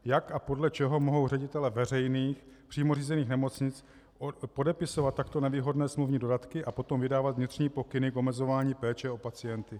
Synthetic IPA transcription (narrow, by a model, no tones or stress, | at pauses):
jakapo̞dlɛt͡ʃɛɦo̞mo̞ɦo̞wrɛɟɪt̪ɛlɛvɛrɛjniːxpr̝̥iːmo̞r̝iːzɛniːxnɛmo̞t͡sɲɪt͡s | po̞dɛpɪso̞vat̪tːakt̪o̞nɛviːɦo̞dnɛːsmluvɲiːdo̞dat̪kɪʔapo̞t̪o̞mvɪdaːvat̪vɲɪt̪r̝̥ɲiːpo̞kɪnɪko̞mɛzo̞vaːɲiːpɛːt͡ʃɛo̞pat͡sɪjɛnt̪ɪ